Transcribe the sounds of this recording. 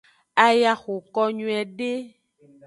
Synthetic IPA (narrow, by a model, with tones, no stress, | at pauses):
a˨ja˨xo˨kɔ˦ɲũ˦ɛ˨ɖe˦